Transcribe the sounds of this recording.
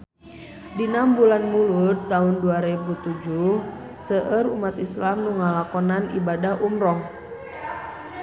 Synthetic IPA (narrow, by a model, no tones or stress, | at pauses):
dinambulanmulut̪ːaunduaɾebut̪ud͡ʒuh | səʔəɾumat̪islamnuŋalakɔnanḭbadaɦʔumɾɔh